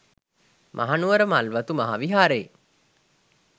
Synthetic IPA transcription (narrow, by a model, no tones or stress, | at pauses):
mʔa̰ɦanuʋəɾəmalʋat̪umaɦaʋiɦaːɾeː